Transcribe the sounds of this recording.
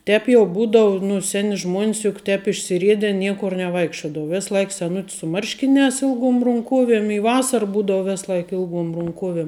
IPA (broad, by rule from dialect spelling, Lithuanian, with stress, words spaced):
ˈtʲɛːp jɛʊ ˈbuːdɐʊ nʊ ˈsʲæːnʲɪ ʒmuɔnʲs jʊk ˈtʲɛːp ɪʃʲsʲɪˈrʲiɛdʲɛ ˈnʲiɛkʊr nʲɛˈʋɐɪkʃʲt͡ʃʲoːdɐʋʊ ˈʋʲɪs ˈlˠɐɪk sʲɛˈnʊtʲs sʊ ˈmɐrʲʃʲkʲɪˌnʲɛːs ˈɪlˠˌɡuɔm rʊŋˈkuɔʋʲiɛm ɪ ˈʋɑːsɐr ˈbuːdɐʊ ˈʋʲɛs ˈlˠɐɪk ˈɪlˠˌɡuɔm rʊŋˈkuɔʋʲiɛm